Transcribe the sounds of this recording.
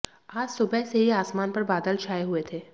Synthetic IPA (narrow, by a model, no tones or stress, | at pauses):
aːd͡ʒsʊbɛɦseɦiaːsmaːnpɐɾbaːd̪əlt͡ʃʰaːjeɦʊet̪ʰeː